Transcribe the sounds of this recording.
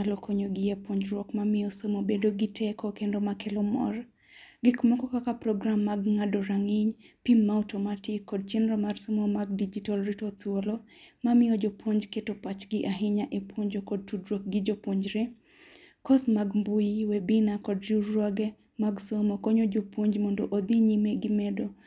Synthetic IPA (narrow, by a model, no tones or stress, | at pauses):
alokʰoɲoɡɪjapoɲd͡ʒɾwɔkmamɪjɔsomobedoɡɪtʰɛkɔkendomakelɔmɔ̰r | ɡɪkmɔkɔkakapɾɔɡɾamːaɡŋadoɾaŋɪɲpimːaɔtɔmatɪkːɔd̚t͡ʃɛnɾɔmarsomomaɡdid͡ʒitalɾitot̪wolo | mamɪjɔd͡ʒopwoɲd͡ʒketopat͡ʃɡɪʔaɦɪɲaʔepwoɲd͡ʒokɔd̚tudɾok̚ɡɪd͡ʒopwoɲd͡ʒɾe | kɔsmaɡmbujiwebinakɔdɾurːɔɡɛ | maɡsomokoɲod͡ʒopwoɲd͡ʒmɔndoʔod̪iɲimeɡɪmɛdo